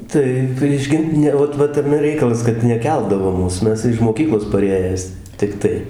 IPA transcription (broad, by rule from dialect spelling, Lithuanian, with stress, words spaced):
ˈtɐɪ pʲrʲiɛʃ ˈɡʲɪnt ˈnʲɛ ˈoːt ˈʋɐt tɐˈmʲɛ ˈrʲɛɪkɐlˠɐs kɐt nʲɛˈkʲɛlˠdɐʋoː ˈmuːs ˈmʲɛs ɪʃ moːˈkʲiːklˠoːs pɐˈrʲeːjæːs tʲɪkˈtɐɪ